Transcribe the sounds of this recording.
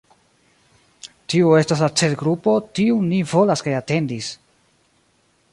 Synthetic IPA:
tiue̞stas̬lat͡se̞tɡɾupo̞tiunivo̞laskajate̞ndis

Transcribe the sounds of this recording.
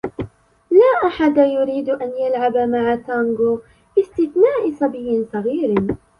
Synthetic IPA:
laːʔaħad̪ajʊɾiːd̪ʔanjalʕabamaʕat̪aŋɡo | ʔɪst̪ɪθnaːʔɪsˤɑbɪjːɪnsˤɑɣiːɾ

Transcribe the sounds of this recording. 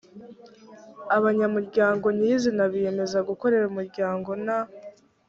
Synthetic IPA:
aβaɲamuɾɟaːŋɡo̞niizinaβije̞me̞zaɡuko̞ɾe̞ɾumuɾɟaːŋɡo̞na

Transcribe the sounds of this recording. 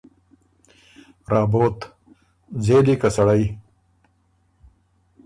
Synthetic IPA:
ɾaːboːt̪ | zeːlikɐsɐɽɐi

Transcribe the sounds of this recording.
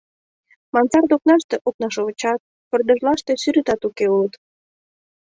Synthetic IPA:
mɑnt͡sɑrd̪oknɑʃt̪eʔok̚nɑʃoβət͡ɕɑt̪̚ | pə̆rd̪əʒlɑʃt̪e̽syɾyt̪ɑt̪ukeulət̪

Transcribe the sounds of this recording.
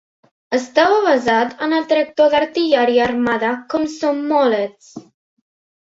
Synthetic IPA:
əst̪awaβazad̪ənəld̪ɾɛk̚t̪ɔðaɾt̪ijaɾiarmaðakɔmsɔmːɔlet͡s

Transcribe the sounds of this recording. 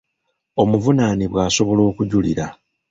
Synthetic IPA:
o̞muvunaniβwaːso̞βo̞lo̞ːkuɟuliɾa

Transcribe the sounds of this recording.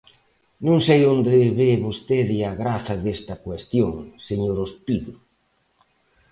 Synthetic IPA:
nõŋsejond̪ɪβeβost̪eðɪaɣɾaθɐðest̪ɐkwest̪joŋseɲoɾospiðʊ

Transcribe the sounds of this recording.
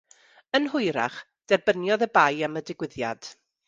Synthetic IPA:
ənɦʊɨɾa̰χ | d̥ɛrbənjɔðəbajamədɪɡwɪðja̰d̥

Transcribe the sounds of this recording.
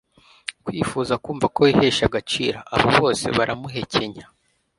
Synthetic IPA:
kwiːfuːzakuːɱvako̞ihe̞ːʃaɡat͡ʃiːɾaʔaβoβo̞ːse̞̰βaɾʔamuɦe̞cʰeɲa

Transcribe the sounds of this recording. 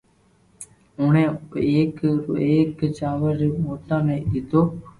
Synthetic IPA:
ʊɳẽːeːkeːkt͡ʃaːʋəɾmoːt̪ãːnẽːɗɪt̪oː

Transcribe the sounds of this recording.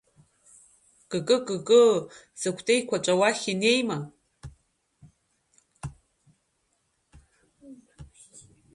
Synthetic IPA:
kʼɨkʼɨkʼɨkʼɨ | z̥ɨkʷʰtʼejkʷʰat͡ʃʷʼawaχʲinejma

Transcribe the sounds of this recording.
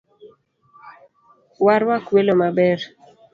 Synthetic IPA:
waɾwakwelomabɛr

